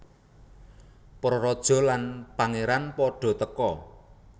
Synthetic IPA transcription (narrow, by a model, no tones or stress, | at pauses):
pɾɔɾɔd̥ʒ̥ɔ̤lanpaŋeɾanpɔɖ̥ɔ̤t̪əkɔ